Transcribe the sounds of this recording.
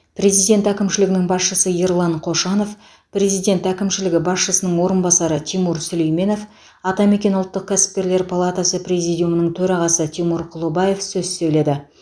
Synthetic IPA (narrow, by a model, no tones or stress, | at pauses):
prʲe̞zijd̪ʲe̞nt̪ækʲɪmʃɪlɪɡʲɪnɪŋbɑsʃəsəjeɾlˠɑɴqʰo̞ʃɑno̞f | pre̞zijd̪ʲe̞nt̪ækʲɪmʃɪlɪɡʲɪbɑsʃəsənəɴwo̞ɾənbɑsɑɾət̪ʰimuɾsɵle̞jme̞no̞f | ɑt̪ɑme̞kʲe̞nʊlˠt̪ːəq̚kʲʰæsɪ̥p̚kʲe̞ɾle̞ɾpʰalˠat̪asəprʲe̞zijd̪ʲijumənəɴt̪ʰɵɾɑʁɑsət̪ʰimuɾqʰʊlˠubaje̞fsɵzsɵjle̞d̪ɪ